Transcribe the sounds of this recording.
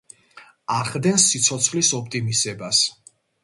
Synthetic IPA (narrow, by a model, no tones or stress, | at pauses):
aχd̪ɛnsːit̪sʰɔt̪sʰχlisɔp̚ʰt̪ʼimisɛbas